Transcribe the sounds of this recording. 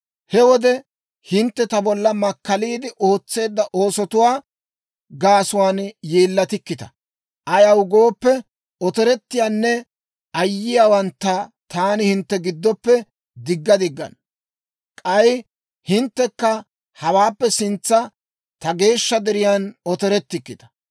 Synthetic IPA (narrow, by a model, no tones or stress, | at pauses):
hɛwɔd̪ɛ | hɪnt̪ːɛt̪ɐbɔlːɐmɐkːɐliːd̪ɪʔo̞ːt͡sːe̞ːd̪ːɐʔo̞ːsɔt̪ʊwaː | ɡaːsʊwaːnjeːlːɐt̪ɪkːɪt̪ɐ̥ | ʔɐjɐwɡoːpːɛ | ɔt̪ɛɾɛt̪ːɪjaːnːɛ | ɐjːɪjaːwɐnt̪ːɐt̪aːnɪhɪnt̪ːɛɡɪd̪ːɔpːɛ | d̪ɪɡːɐd̪ɪɡːɐ̰n | kʼɐj | hɪnt̪ːɛkːɐ | hɐwaːpːɛsɪnt͡sːɐ | t̪ɐɡe̞ːʃːɐd̪ɛɾɪjanɔt̪ɛɾɛt̪ːɪkːɪt̪ɐ̥